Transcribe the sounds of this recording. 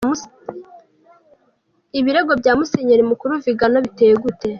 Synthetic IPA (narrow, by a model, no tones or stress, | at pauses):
iβiɾe̞ɡo̞bɟaːmuseɲeɾimukuɾuviɡanoβitejeɡute̞